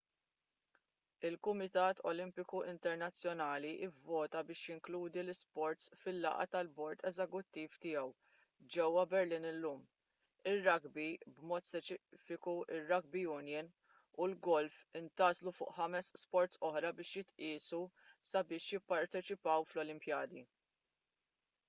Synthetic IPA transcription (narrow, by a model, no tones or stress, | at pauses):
ɪlkʊmɪt̪ɐːt̪ʰɔlɪmpɪkuʔɪnt̪ɛɾnɐt͡sːjɔnɐːliʔɪvːɔːt̪ɐbɪːʃjɪŋkluːd̪ilɪspɔɾt̪sfɪlːɐ̰ʔɐ̰t̪ɐlbɔɾt̪ʰɛzɛkʊt̪ːiːft̪ɪjɛw | d͡ʒɛwːɐbɛɾlɪːnɪlːuːm | ɪrːɐɡbibmɔːt̪spɛt͡ʃɪfɪkuʔɪrːɐɡ̚bijʊnjɪn | ulɡɔlfɪnt̪ɐːzlufʊ̰ːʔħɐmɛsːpɔɾt̪sɔħɾɐbɪːʃjɪt̪ʔɪːsu | sɐbɪːʃjɪpːɐɾt̪ɛt͡ʃɪpɐwflɔlɪmpjɐːd̪i